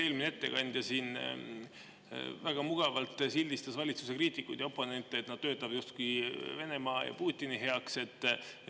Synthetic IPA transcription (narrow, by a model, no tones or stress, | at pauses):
e̞ːlmineet̪ːe̞̰kɑnʲd̪̥jɑsiːn | væɡ̥ɑmuɡ̥ɑvɑlt̪ˑsilʲd̪ist̪ɑsvɑlʲit̪suse̞kriːt̪ʲːˑikːud̪̥jɑo̞pːˑo̞ne̞nt̪ˑːeet̪nɑd̪̥t̪øːt̪ˑːɑv̥just̪kujve̞ne̞mɑːjɑ̰puːt̪ʲːˑiniɦe̞ɑkse̞t̪ːˑ